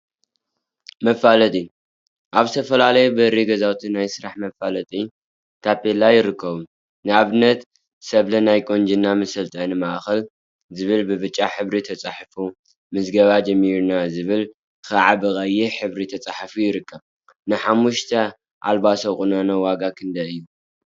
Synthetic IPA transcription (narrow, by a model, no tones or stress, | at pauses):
mɐfalɐt̪ʼi | ʔaβzɨt̪ʰɐfɐlalɐjubɨɾiɡɐzawt̪ʰinajsɨɾaħmɐfalɐt̪ʼi | t̪ʰapʼelajɪɾɨkʰːɐβu | nɨaβɨnːɐt̪ | sɐβlɐnajkʼond͡ʒinːamɐsɐlt̪ʰʼɐnɨmaʔxɐl | zɨβɨlbɨβɨt͡ʃʼːaħɨβɾit̪ʰɐt͡sʼaħfu | mɨzɡɐβad͡ʒɐmːiɾnazɨβɨl | xɐʕabɨkʼɐjːɛħɨβɾit̪ʰɐt͡sʼaħfujɪɾɨkːɐβ | nɨħamːuʃt̪ʰɐ | ʔa̰lbasɐwχʼunanɐwaɡakʰɨnd̪ɐɨjːu